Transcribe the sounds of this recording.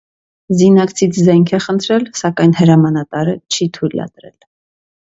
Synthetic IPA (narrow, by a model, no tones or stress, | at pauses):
zinɑkt͡sʰit͡sʰzɛŋkʰɛχənt̪ʰɾɛlsɑkɑjnhəɾɑmɑnɑt̪ɑɾət͡ʃʰit̪ʰujlɑ̰t̪ɾɛ̰l